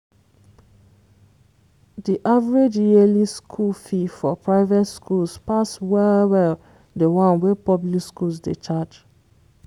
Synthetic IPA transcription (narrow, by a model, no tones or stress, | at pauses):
diʔavɹed͡ʒjeliskʰulfifɔpɹaɪvɛtskʰulspaswɛwɛl | dewãnwepɔblikskulsdḛt͡ʃad͡ʒ